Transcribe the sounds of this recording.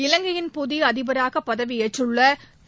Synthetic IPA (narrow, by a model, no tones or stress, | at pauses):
ɪlɐŋɡɐjɪnpʊðiɐðɪbɐɾaːɣɐpːɐðɐʋɪjɛʈːrɯɭːɐ